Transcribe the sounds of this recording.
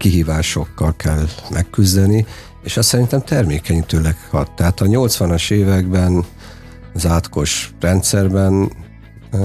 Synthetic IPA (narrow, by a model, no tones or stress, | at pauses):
kiɦiːvaːʃo̞kːɒlkʰɛlmʔɛkːyzd̪ɛni | eːʃɒssɛɾint̪ɛmt̪ɛrmeːkɛɲit̪øːlɛkhɒt̪ːɛɦaːt̪ɒɲo̞lt̪sʋɒnɒʃeːvɛɡbɛn | zaːt̪ko̞ʃrɛnt̪sɛrbɛn